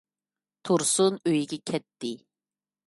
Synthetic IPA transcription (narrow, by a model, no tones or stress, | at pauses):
t̪ʰuɾsunøjiɡʲɛkʲʰɛt̪ːɪ